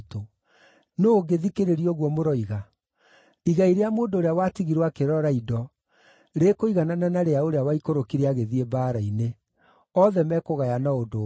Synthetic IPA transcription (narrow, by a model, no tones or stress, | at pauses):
to | nooɡeðikeɾeɾiɔɣwɔmoɾɔiɣa | iɣaiɾeamoːndoːɾeawatiɣiɾwakeɾɔɾaidɔ | ɾekoiɣanananaɾeaoɾeawaikoɾokiɾeaɣeðiebaːɾaine | ɔðɛmɛkoɣajanaodo